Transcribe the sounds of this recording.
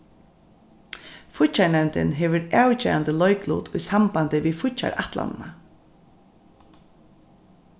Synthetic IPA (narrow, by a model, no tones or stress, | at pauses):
fʊt͡ʃaɳɛwnt̪ɪ̰nɦɛːʋʏɾaːwt͡ʃɛ̰ːant̪ɪlɔjklṵːt̪ʊjsampant̪ɪʋifʊt͡ʃa̰ɹaht̪la̰nɪna